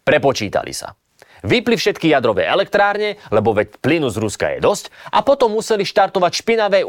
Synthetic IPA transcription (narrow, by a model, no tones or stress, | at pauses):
pɾɛpɔt͡ʃiːt̪a̰lḭsa̰ | ʋiplifʃɛt̪kijad̪ɾɔʋɛ̰ːɛlɛk̚t̪ɾaːɾɲɛlɛbɔʋɛplinuzɾuska̰jɛ̰d̪ɔscʔapɔt̪ɔmːusɛliʃt̪aɾt̪ɔʋacʃpinaʋɛj